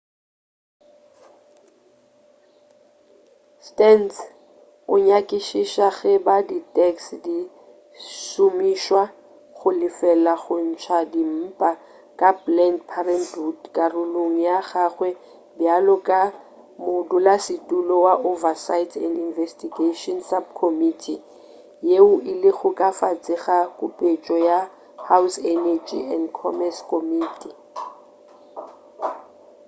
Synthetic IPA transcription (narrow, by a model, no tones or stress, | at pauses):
stɛns | ʊɲakʼɪʃiʃaɣɛbaditʼɛksdi | sumiʃwa | χʊlɪfɛlaɣʊn̩t͡ʃʰwadim̩pʼa | kʼablɛndpʰarɛntutkʼarʊloŋ̩jaɣaχwɛ | bjalɔkʼa | mʊdʊlasɪtʼulɔwaʔovasaitʰɛndinvɛstʼiɡeʃɔnsab̚kʰɔmitʰi | jeʊʔɪlɪɣʊkʼafat͡sʼɪɣakʼʊpʼet͡ʃʼɔja | hawsɛnɛd͡ʒḭɛndkʰɔmɛskɔmiːtʰʼi